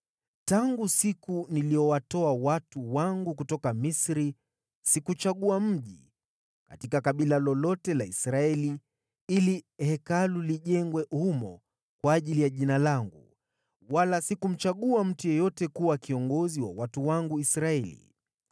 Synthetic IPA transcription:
taŋɡusikuniliɔwatɔawatuwaŋɡukutɔkamisɾi | sikut͡ʃaɠuam̩ʄi | ka̰tikakaɓilalɔlɔtɛlaisɾaɛli | ilihɛkaluliʄɛŋɡwɛʔhumɔ̰ | kwaːʄilijaʄinalaŋɡṵ | walasikum̩t͡ʃaɠuam̩tujɔjɔtɛkuwakiɔŋɡɔziwa̰watuwaŋɡuisɾaɛlḭ

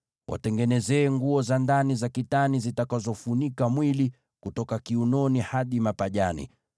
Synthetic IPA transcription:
wʔa̰tɛŋɡɛnɛzɛːŋɡuɔzandanizakitanizitakazɔfunikamwili | kutɔkakiunɔnihaɗimapaʄanḭ

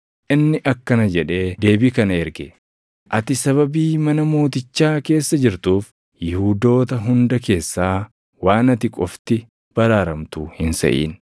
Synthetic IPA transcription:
ʔɪnːɪʔɐkːɐnɐd͡ʒɛᶑe̞ːd̪e̞ːbiːkɐnɐɛɾɡɛ | ʔɐt̪ɪsɐβɐbiːmɐnɐmo̞ːt̪ɪt͡ʃːaːke̞ːsːɐd͡ʒɪɾt̪uːf | jɪhuːd̪o̞ːt̪ɐɦʊnd̪ɐke̞ːsːaː | waːnɐt̪ɪkʼɔft̪ɪ | b̥ɐɾaːɾɐmt̪uhɪnsɐ̰ʔḭːn

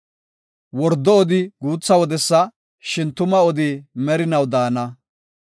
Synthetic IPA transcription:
wɔɾd̪ːɔɔd̪ɪɡuːt͡sːɐwɔd̪ɛsːɐ | ʃɪnt̪ʊmɐɔd̪ɪmɛɾɪnɐwd̪aːnɐ

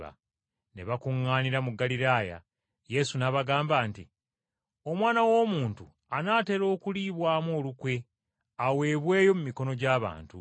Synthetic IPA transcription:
a̰ | ne̞̰βakuŋːaːniɾamuɡːaliɾaːja̰ | je̞sunaβaɡaːmbaːnti | o̞mwaːnawo̞ːmuːntu | anaːte̞ːɾo̞ːkuliːβwaːmo̞ːlukwe̞ | awe̞ːβwe̞ːjo̞mumiko̞no̞ɟaːβa̰ːntu

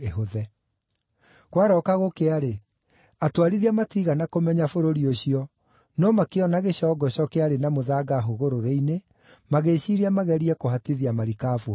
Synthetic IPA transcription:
eɦoðɛ | kwaɾɔːkaɣokeaɾe | atwaɾiðiamatiɣanakomɛɲafoɾoɾioɕiɔ | nɔmakeɔnaɣeɕɔːɡɔɕɔkɛaɾenamoðaɡaɦoɣoɾoɾeine | maɣeɕiɾiamaɣɛɾiɛkoɦatiðiamaɾikaːfo

